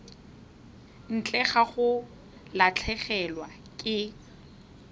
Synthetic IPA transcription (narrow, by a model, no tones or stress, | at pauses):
n̩t͡ɬʼɛχaχʊ | lat͡ɬʰɛχɛlwa | kʼɪ